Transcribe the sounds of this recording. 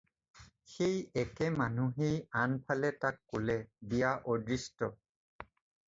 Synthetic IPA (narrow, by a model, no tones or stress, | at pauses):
xejɛkɛmanuɦejanpʰalɛtakːolɛbijaʔodɹistɔ